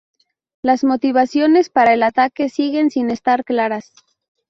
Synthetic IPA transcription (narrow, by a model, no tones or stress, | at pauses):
lazmo̞t̪iβasjo̞ne̞spaɾae̞lat̪ake̞siɣe̞nsine̞st̪aɾklaɾas